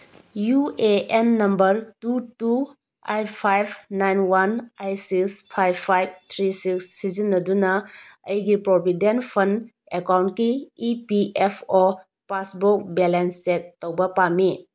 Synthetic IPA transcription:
jueenːɐmbɐɾtutu | ajtpʰajbʰnajnwanajsikspʰajbpʰajb̚tʰɾisiksːizinːɐdunɐɐjɡipɾobʱidenpʰɐn | ekawntkiːpiʔepʰo | pasbok̚belensek̚towbɐpami

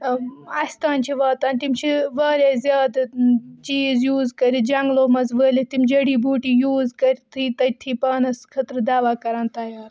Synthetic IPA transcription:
ɐst̪aːnt͡ʃʰiʋaːt̪aːnt̪imt͡ʃʰiʋaːɾeːzjaːd̪t͡ʃiːzjuːzkɐɾid͡ʒɐŋɡloːmɐzʋəːlit̪imʲd͡ʒɐɽiːbʱuːʈiːjuːzkɐɾʲt̪ʰiːt̪ɐt̪ʰiːpɐːnɐskʰɐt̪ɾd̪aːʋaːkɐɾaːnt̪ɐːjaːɾ

